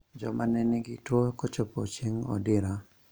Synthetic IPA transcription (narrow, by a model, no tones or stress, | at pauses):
d͡ʒɔ̰manɛnɪɡɪtwokɔt͡ʃɔpot͡ʃeŋɔ̰dɪɾa